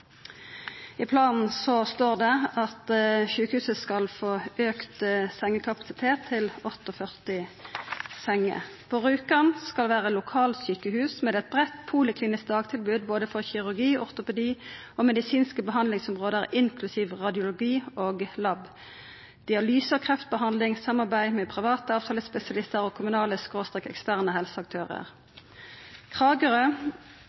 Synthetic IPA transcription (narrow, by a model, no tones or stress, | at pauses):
ɪpʰlɑːnn̩sɔst̪oːʁd̪ɛɑt̪ʃʉːkəhʉːsəskɑlfoːøːkt̪sɛŋːəkʰɑpɑ̥sɪt̪ʰeːt̪ʰːɪlɔt̪ːɔfœʁt̪ɪ | sɛŋːə̰pʰoːʁʉːkɑnskɑlʋæːʁəlʊkʰɑːlsyːkəhʉːsmeːd̪ɛt̪̚bʁɛt̪pʰuːlɪkʰliːnɪsk̚d̪ɑːɡt̪ʰɪlbʉːd̪̚boːd̪əfɔʁçɪʁʉʁɡiːɔ̰ʁt̪ʊpɛd̪iː | oːmɛd̪ɪsiːnskəbəɦɑnd̪lɪŋsɔmʁoːd̪əʁɪŋkʰlʉsiːʋʁɑd̪ɪʊlʊɡiːoːɡlɑb | d̪̥ɪɑlyːsəkʰʁɛft̪̚bəɦɑnd̪lɪŋsɑmɑʁbæɪmɛːpʰʁɪʋɑːt̪əɑːʋt̪ʰɑːləspɛsɪɑlɪst̪əʁoːkʰʊmʉnɑːləskʁoːst̪ʁɛkːɛ̰kst̪æʁnəɦɛlsəɑk̚t̪ʰøːʁə̰ʁ | kʰʁɑːɡəʁə